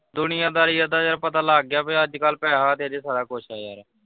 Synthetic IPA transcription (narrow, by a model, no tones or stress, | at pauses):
d̪ʊnɪjãːd̪aːɾiːəːd̪aːd͡ʒəɾpət̪aːlaːɡːjaːpẽəd͡ʒkaːlpɛːaːt̪eːəd͡ʒsaːɾaːkʊʃʰaːja̰ːɾɛː